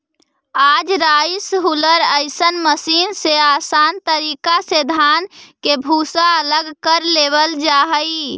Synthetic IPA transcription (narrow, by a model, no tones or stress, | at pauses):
ad͡ʒɾaisɦuləɾəɪsənməsinseasant̪əɾikased̪ʱankebʱusaələɡkəɾleβəld͡ʒaɦəj